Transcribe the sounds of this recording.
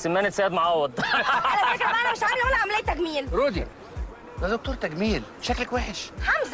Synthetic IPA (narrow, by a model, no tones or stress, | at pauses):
semːæːnet̪sæːd̪moʕawːɑd̪ˤælækɾbæʔænæmeʃʕamelmnæʕamlejːt̪ːæɡmiːnɾuːd̪ | d̪æd̪ok̚t̪uːɾˤt̪æɡmiːlbʃæklækwæːħeʃħamz